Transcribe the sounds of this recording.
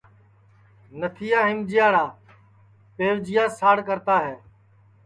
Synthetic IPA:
nət̪ʰiːaːɦɪmd͡ʒɪjaːɽaː | peːʋd͡ʒɪjaːsaːɽkəɾt̪aːɦeː

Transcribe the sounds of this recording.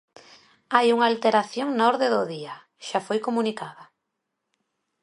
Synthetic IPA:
ajuŋaːlt̪eɾaθjoŋnaɔɾðeðoðia | ʃafojkomunikaða

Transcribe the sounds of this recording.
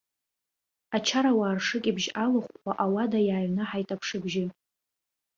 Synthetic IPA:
at͡ʃʰaɾawaːrʂɨkʲʼɪbʒalɨχʷaʔawadajaːɥnɨħajtʼapʰʂɨbʒɪ

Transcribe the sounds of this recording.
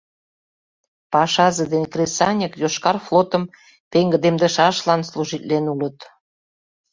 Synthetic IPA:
pɑʃɑzə̆d̪enʲkresɑnʲəkjoʃkɑrflot̪ə̆m | peŋɡə̆d̪emd̪ə̆ʃɑʃlɑnsluʒit̪lenulət̪

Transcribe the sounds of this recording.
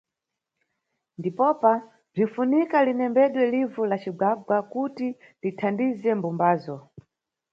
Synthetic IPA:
ndipɔpa | b͡ʐinfunikalinɛmbɛɗwɛlivulat͡ʃiɡaɡwakuti | litʰandizɛmbumbaːzɔ

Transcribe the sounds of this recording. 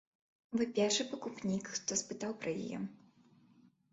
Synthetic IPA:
vɨpʲɛrʂɨpɐkupnʲikxt̪ɔspɨt̪awpɾɐja̰jɛ̰

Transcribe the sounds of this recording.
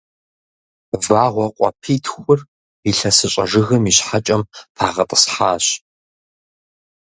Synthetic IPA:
vaːʁʷɔqʷʼɔ̰pʰiːtʰxʷʊr | iɬɐsɨɕʷʼɐʐɨɣɐmiːɕħat͡ʃʼɐmtʰaːʁɐtʼə̥sħaːɕ

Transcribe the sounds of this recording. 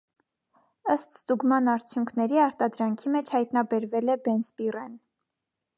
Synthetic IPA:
əst̪st̪uɡmɑnɑɾt͡sʰjuŋkʰnɛɾiɑɾt̪ɑd̪ɾɑŋkʰimɛt͡ʃʰhɑjt̪nɑbɛɾvɛlɛbɛnsbirɛn

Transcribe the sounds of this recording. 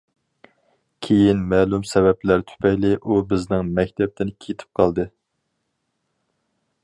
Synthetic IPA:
kʲʰejinmɛːlˠumsɛvɛplæɾt̪ʰy̥pʰɛjlɪʔubɪznɪŋmɛk̚ʲt̪ʰɛp̚t̪ʰɪnkʲʰet̪ʰɪ̥p̚qʰɑlˠd̪ɨ

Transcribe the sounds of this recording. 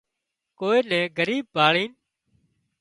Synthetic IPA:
koːeːnɛ̃ːɡəɾiːb̚ːʱaːɭiːn

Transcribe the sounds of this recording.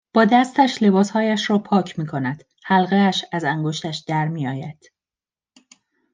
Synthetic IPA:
b̥ɒːd̪æst̪æʃle̞bɒːshɒːjæʃrɒːpʰɒːcʰmiːkʰo̞næd̪̥ | hælɣeæʃæzæŋɡo̞ʃt̪æʃd̪̥æɾmiːjɒːjæd̪̥

